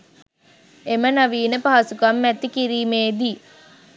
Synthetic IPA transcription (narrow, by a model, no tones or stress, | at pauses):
emənaʋiːnəpaɦasukamːɛt̪ːikiɾiːmeːd̪i